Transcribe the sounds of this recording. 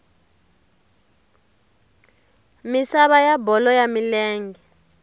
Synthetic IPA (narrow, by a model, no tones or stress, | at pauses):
misaɓajabɔlɔjamilɛːŋɡɛ